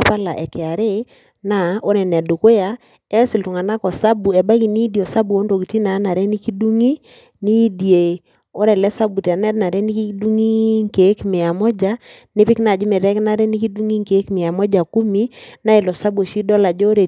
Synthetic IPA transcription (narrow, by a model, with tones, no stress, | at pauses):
pa˦la˨ʔɛ˨kɪ˨a˨ɾe˦ | na˦˨o˦ɾɛ˨nɛ˨du˨ko˦ja˨ | ɛ˦sɪ˨ltu˨ŋa˨na˦kɔ˨sa˦bu˨ɛ˨ba˦ki˨ni˦di˨o˨sa˦bu˨o˦ndo˨ki˨ti˦na˨˦na˨ɾe˦ni˦ki˦du˦ŋi˦ | ni˦di˨e˨ | o˦ɾɛ˨lɛ˦sa˦bu˨tɛ˨nɛ˦tna˨ɾe˦ni˦ki˦du˦ŋi˦ŋke˨˦kmɪ˨a˨mɔ˦d͡ʒa˨˦nɪ˦pɪ˦kna˨d͡ʒi˦me˨ɾɛ˦kna˦ɾe˦ni˦ki˦du˦ŋi˦ŋke˨˦kmɪ˨a˨mɔ˦d͡ʒa˨ku˦mi˦na˦e˨lɔ˨sa˦bo˨ʃi˦dɔ˦la˨d͡ʒɔ˦ɾe˨